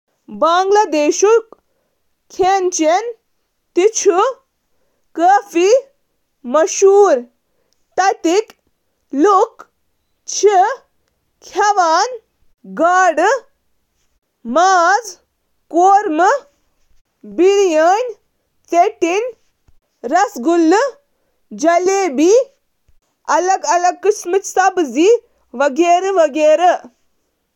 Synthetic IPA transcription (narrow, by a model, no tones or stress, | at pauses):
baːŋɡlad̪eːʃuk | kʰent͡ʃen | t̪it͡ʃʰu | kəːfi | mɐʃuːɾ | t̪ɐt̪ik | luk | t͡ʃʰi | kʰɐʋaːn | ɡaːɽ | maːz | koːɾmɨ | biɽjaːnʲ | t͡seʈin | ɾɐsɡulːɨ | d͡ʒɐleːbi | ɐlɐɡɐlɐɡ̚kɨsmɨt͡ʃsɐbzi | ʋɐɡeːɾɐʋɐɡeːɾɐ